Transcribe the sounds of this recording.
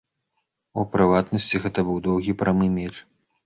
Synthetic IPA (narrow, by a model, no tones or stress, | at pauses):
ṵpɾɨvat̪nɐsʲt͡sʲiɣɛt̪ɐbɨwd̪ɔwɣʲipɾɐmɨmʲɛt͡ʂ